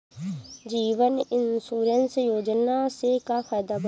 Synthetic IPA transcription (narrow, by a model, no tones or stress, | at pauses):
d͡ʒiːʋənɪnsuːɾensjoːd͡ʒnasekapʰaːd̪aːbə